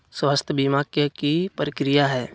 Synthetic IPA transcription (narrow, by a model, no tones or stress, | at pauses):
sʋəst̪ʰjəbimaːkjəkipɾəkɾijaɦɛː